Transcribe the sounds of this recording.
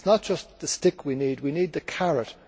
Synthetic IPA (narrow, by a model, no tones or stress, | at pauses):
nət̚d̥ʒ̥ʌsðəstɪkʰwinid̚winid̪̚ðɨkʰaɹət